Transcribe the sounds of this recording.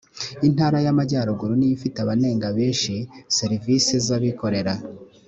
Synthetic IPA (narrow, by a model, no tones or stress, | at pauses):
in̥haːɾajamaɟaːɾoɡuɾonijifiteaβane̞ːŋɡaβe̞ːnʃise̞ɾivisezaβiko̞ɾe̞ɾa